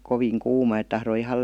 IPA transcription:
koʋiːŋ kuːmɑ et tɑhroi ihɑl

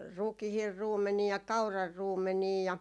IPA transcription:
rukihir ruːmːeniɑ kɑurɑr ruːmːeniː jɑ

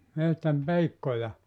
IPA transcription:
mehtæm peikːojɑ

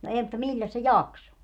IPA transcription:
no eː mutːɑ milʲːæs se jɑkso

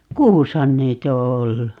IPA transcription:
kuːshɑn niːt o olːu

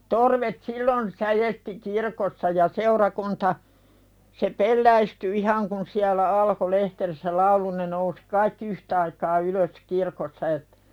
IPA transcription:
torʋet silːon sæjesti kirkosːɑ jɑ seurɑkuntɑ se pelːæisty ihɑŋ kun siælæ ɑlko lehterisːæ lɑulu ne nousi̥ kɑikːi yhtɑikɑː yløs kirkosːɑ etːæ̥

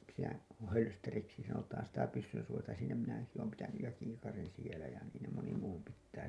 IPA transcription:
siːnæ hølsteriksi sɑnotɑːn sitæ pysːynsuojɑintɑ siːnæ minæ ɑinɑki oːm pitænyj jɑ kiːkɑrin sielæ jɑ niːn ne moni muː pitːæː

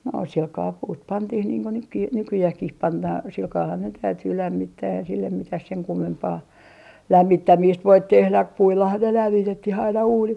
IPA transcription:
no silkɑː puːt pɑntih niːŋ ku nykːi nykyjæhkih pɑnːɑː silkɑːhɑn ne tæytyː læmːitːæː ei silːem mitæh seŋ kumːempɑː læmːitːæmiːst ʋoit tehlæ puilːɑhɑn ne læmːi tetːih ɑinɑ uːnit

